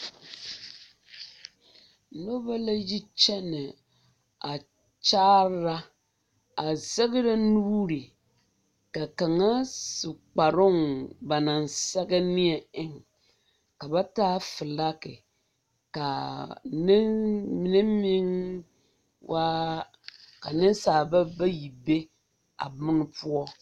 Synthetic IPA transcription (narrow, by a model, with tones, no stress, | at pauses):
no˦ba˦la˦ji˦t͡ʃɛ˦nɪ˨ | a˨ | t͡ʃaː˦ɾɾa˦ | a˨zɛ˦ɣɪ˦ɾa˦nuː˦ɾi˨ | ka˨ka˨ŋa˦sɨ˨k͡pa˨ɾʊ˦ŋba˨na˨nsɛ˦ɡa˦nɪ˦ɛ˨ɪ˦ŋ | ka˨ba˦taː˦fɨ˨la˦kɪ̰˨ | ka˨n˦m˨nɪ˦mi˦ŋ | wʔa˦ | ka˨nɪ˦n˦saː˨ba˦ba˦ji˨be˦ | a̰˨bʊ˦n˦pu˦ɔ˦